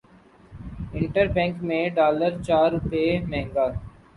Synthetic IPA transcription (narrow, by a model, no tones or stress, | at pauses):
ɪ̃ɳʈəɾbɛ̃ːŋkmẽɖaːləɾt͡ʃaːɾːʊpemɛ̃ɦŋɡaː